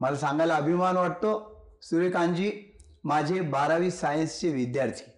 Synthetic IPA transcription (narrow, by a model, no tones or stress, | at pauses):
malasãŋɡalaəbʱimanʋəʈ̚t̪o | suɾekãɲd͡ʑi | mad͡ʑʱebaɾaʋiːsːajənst͡ɕeʋid̪jaɾt̪ʰi̥